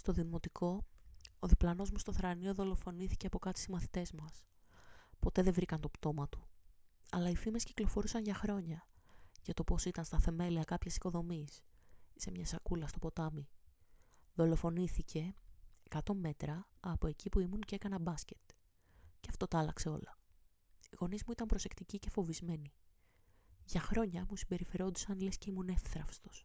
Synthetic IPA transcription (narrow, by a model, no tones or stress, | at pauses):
st̪o̞ðimo̞t̪ikʰo̞oðiplɐno̞zmust̪oθɾɐnio̞ðo̞lo̞fo̞niθi̥ce̞ɐpo̞kɐt̪si̥simɐθi̥t̪e̞zmɐs | po̞t̪e̞ðe̞vɾikɐnt̪o̞pt̪o̞mɐt̪u̥ɐ̰lɐifime̞sciklo̞fo̞ɾusɐnʝɐxɾo̞ɲɐʝɐt̪o̞po̞sit̪ɐnst̪ɐθe̞me̞liɐkɐpçesi̥ko̞ðo̞misisemɲɐsɐkulɐst̪opo̞t̪ɐmi | ðo̞lofo̞niθice̞kɐt̪o̞me̞t̪ɾɐːpo̞e̞cipuimunceekɐnɐbɐsce̞̥t̪̚ | ceɐft̪o̞t̪ɐlɐkse̞o̞̰lɐ | iɣo̞nizmuit̪ɐmbɾo̞se̞kt̪icice̞fo̞vizme̞ni | ʝɐxɾo̞ɲɐmusimbe̞ɾife̞ɾo̞d̪usɐnle̞sce̞imune̞fθɾɐfst̪o̥s